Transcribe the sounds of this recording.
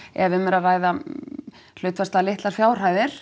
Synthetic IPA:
ɛ̰vɪmɛɾaðraːjða | l̥ʏːt̪fast̪alɪht̪laɾ̥fjaːwr̥aːjðɪɾ̥

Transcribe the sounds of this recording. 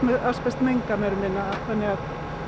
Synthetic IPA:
aspɛst̪meŋkamɛɾʏmɪnːaːθanːɪɣað

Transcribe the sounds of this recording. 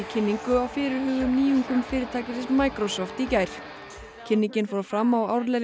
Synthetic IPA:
icʰɪnːiŋkʏawfɪːɾɪɾhʏːɣðʏmniːhʏŋkʏmfɪːɾɪɾt̪ʰaːcɪsɛsmaːjkɾɔsɔft̪icajɾ̥ | cʰɪnːiɲcɪnfɔɾafɾamːawa̰wɾlɛ

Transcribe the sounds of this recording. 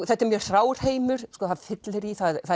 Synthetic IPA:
θɛht̪ːɛɾmjɛɾ̥θɾaːwɾ̥heːjmʏɾ̥skɔːθaðfɪt̪lɪɾiθaðθa

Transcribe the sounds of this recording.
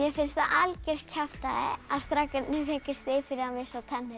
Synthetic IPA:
jɛfɪnst̪aʔalcɛɾ̥cʰaft̪aɪaðst̪ɾakːɪt̪nɪfecɪst̪ɪfɪɾɪamɪsat̪ʰɛnːɪ

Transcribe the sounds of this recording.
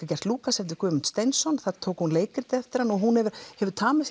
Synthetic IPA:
kacɛr̥t̪luːkasɛft̪ʏ̥ɾkʰʏːmʏnt̪st̪ejnsɔnθaðt̪ʰoːwkhunleːjkɪɾ̥t̪ɪɛft̪ɪɾanɔɣɦunhɛvʏɾ̥hɛvʏɾ̥t̪ʰaːmɪs

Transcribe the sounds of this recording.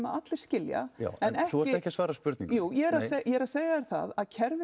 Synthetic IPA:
maðat̪lɪɾ̥scɪlja̰a̰wɛnɛhθuɔɾɪɛhcːɪasvaːɾaspʏɾt̪nḭŋjuːjɛɛɾaðsejɛɾaðseːjaɛɾ̥θa̰ðaðcʰɛɾvɪ

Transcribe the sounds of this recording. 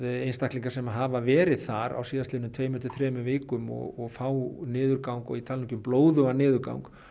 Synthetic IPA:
ejnst̪ahkliŋkasɛmaɦaːvavɛːɾɪðθaɾa̰wsiːðast̪ɪːnʏmt̪ʰveːjmʏnt̪ʏ̥θɾɛːmʏveːkʏmɔ̰ɣɔɣfaːwnɪːðʏɾkawŋkɔ̰ɣit̪ʰaliɲcʏmploːwðʏanɪːðʏɾka̰wŋk

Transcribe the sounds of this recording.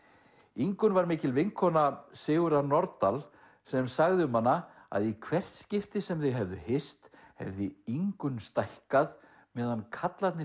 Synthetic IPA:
iŋkʏnvaɾmɪːcɪlvɪŋkʰɔnasɪːɣʏɾanɔɾt̪al | sɛmsaɣðʏmanːa | a̰ðikʰvɛr̥t̪scɪft̪ɪsɛmθejɦɛvðʏhɪst̪ | hɛ̰vðɪiŋkʏnst̪ajhkað | mɛːðankʰat̪lat̪nɪ

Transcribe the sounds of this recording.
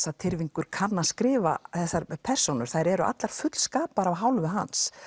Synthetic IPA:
sat̪ʰɪɾviŋkʏɾ̥kʰanːaskɾɪːva̰θɛsːaɾpʰɛr̥sonʏɾ̥θajɾɛɾʏʔa̰t̪laɾ̥fʏt̪l̥skaːpaɾavɦawlvʏɦa̰ns

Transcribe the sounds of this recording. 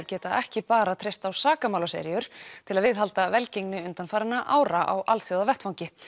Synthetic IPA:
ʏɾcɛːt̪aɛhcɪpaːɾat̪ʰɾejst̪awsaːkamawlasɛ̰ɾjʏɾ̥t̪ʰɪlaðvɪðɦalt̪avɛlceknɪʏnt̪anfaːɾanːaʔaːwɾaʔa̰wʔalθowðavɛht̪fawɲcɪ

